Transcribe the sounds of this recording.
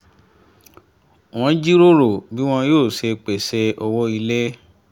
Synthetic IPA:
w̃ɔ̃˧d͡ʒi˦ɾo˦ɾo˨bi˨˦w̃ɔ̃˧joː˦˨ʃe˧k͡pe˨se˧ɔ˧wɔ˦i˧le˦

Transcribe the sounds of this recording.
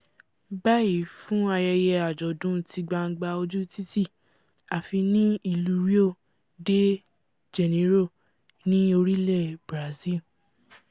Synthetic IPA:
ba˦i˨fũ˦a˧jɛ˧jɛ˧a˨d͡ʒɔ˨dũ˨˦ti˧ɡ͡ba˧ŋ̩˦ɡ͡ba˧o˧d͡ʒu˦ti˦ti˦˨ | a˨fi˧nĩ˦i˦˨lu˧˨ɾi˦o˦˨ | de˦ | d͡ʒɛ˨nĩ˨˦ɾo˦˨ | nĩ˦o˧ɾi˦lɛ˦˨bɾa˨zi˦l

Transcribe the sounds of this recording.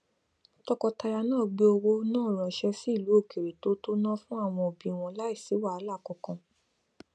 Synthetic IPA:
tɔ˧kɔ˧ta˧ɾa˧nãː˦˨ɡ͡be˨˧o˧wo˧˦nãː˦˨ɾ̃ã˨ʃɛ˧si˦˨lu˨˦o˦˨ke˨ɾe˨to˨˦to˦nã˦fũ˦a˦˨w̃ɔ̃˧o˨bĩ˨w̃ɔ̃˧la˦i˦˨si˨˦wa˦˨a˧˦la˦˨kɔ̃˨˧kã˧

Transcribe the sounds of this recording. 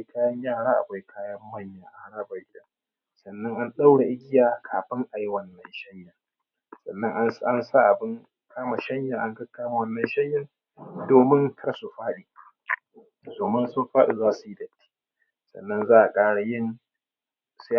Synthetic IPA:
a˦jkaː˦jɐ˦ɲjaː˦˨ɽaː˦ʔa̰˨bʷa˦jkʰaː˦jɐ˦m˦wɐ˦˨ɲjaː˨ʔa˦ɽaː˦ba˨˦ʔɪ˦ɗa˨ | sɐ˨nːɐ˦ŋʔa˦nɗa˦wɽa˨ʔɪ˦ɡʲɪ˦jaː˨kʰaː˨ɸɪ˦ŋʔa˨ji˦wɐ˨nːɐ˦nʃɐ˦ɲjaː˨ | sɐ̰˨nːɐ˦ŋʔa˦nsa˦nsa˦˨ʔa˨bɪ˦ŋ | kʰaː˦ma˨ʃɐ˦ɲjaː˨ʔa˦ŋkɐ˦kːaː˦ma˨wɐ˦˨nːɐ˨nʃɐ˦ɲjɐ˨ŋ | doː˨mɪ˦ntʰɐ˦rsu˨ɸaː˦ɗiː˨ | doː˨mɪ˦nsʊ˦mɸaː˦ɗi˨zaː˦su˨ji˦dɐ˨tʰːi̥ː˦ | sɐ̰˨nːɐ˦nzaː˦ʔa˨kʼaː˦ɽa˨jɪ˦˨n | sa˦

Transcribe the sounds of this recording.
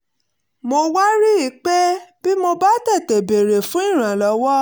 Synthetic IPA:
mo˧wa˦ɾi˦i˨˦k͡pɛ˦b̥i˦mo˧ba˦tɛ˦˨tɛ˨be˨ɾe˨fũ˦i˦˨ɾ̃ã˨lɔ˨˦wɔ˦

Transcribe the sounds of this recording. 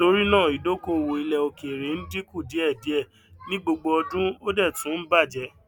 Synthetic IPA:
to˧ɾi˦nãː˦˨i˨do˨˦ko˦˨wo˨i˧lɛ˨o˧ke˨ɾe˨˦n̩˦di˦ku˦˨di˨˦ɛ˦˨di˨˦ɛ˦˨ | nĩ˦ɡ͡bo˧ɡ͡bo˧ɔ˧dũ˦o˦dɛ˦˨tũ˨˦ba˦˨d͡ʒɛ˨˧

